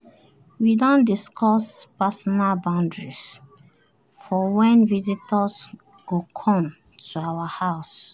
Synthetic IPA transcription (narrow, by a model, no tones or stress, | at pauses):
widɔ̃ndiskʰɔspasɔnalbãʊ̃ndɹis | fɔwɛ̃nvizitɔs | ɡ̥okʰɔ̃m | tʰuawahaʊs